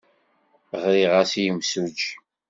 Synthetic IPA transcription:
ʁɾiʁasijəmsud͡ʒ

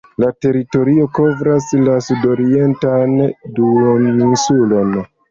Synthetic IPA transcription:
late̞ɾito̞ɾio̞ko̞vɾaslasudo̞ɾie̞ntanduninsulo̞n

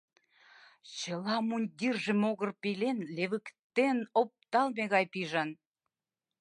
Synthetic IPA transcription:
t͡ɕəlɑmunʲd̪ʲirʒə̆moɣərpilenleβəkt̪enop̚t̪ɑlmeɣɑjpiʒɑn

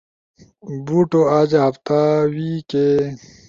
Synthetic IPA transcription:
buːʈoaːd͡ʑaɦɐft̪awiːke

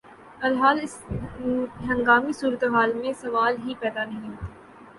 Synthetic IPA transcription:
ɐlɦaːlɪs | ɦɐ̃ŋɡaːmisuːɾət̪eɦaːlmẽsɐʋaːlɦipɛːd̪anɐɦĩɦoːt̪aː

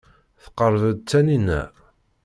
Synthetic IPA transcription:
θə̥qəɾˤvəd̪̚t͡sːæninæ̰

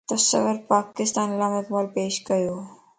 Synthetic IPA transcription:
t̪osɐ̰ʋəɾpaːkɪst̪aːnlaːmɪkbaːlpeːʃɡɐjoː

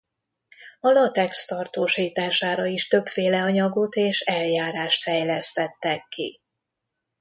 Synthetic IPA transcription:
ɒlɒt̪ɛkst̪ɒrt̪oːʃiːt̪aːʃaːɾɒiʃt̪ø̞pfeːlɛɒɲɒɡo̞t̪eːʃɛljaːɾaːʃt̪fɛjlɛst̪ɛt̪ːɛkːḭ

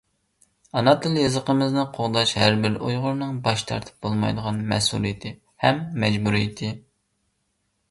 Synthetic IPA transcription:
ɑnɑt̪ɨlˠjɨzəqəmɨznɨqʰoʁd̪ɑʃhæɾbɪɾujʁʊɾnɨŋbɑʃt̪ʰɑ̰ɾt̪ʰɨ̥p̚bolˠmɑ̰jd̪əʁɑnmɛ̰sṵlˠijɪt̪ʰɪ | hɛmːɛd͡ʒbuɾijɪt̪ʰɪ

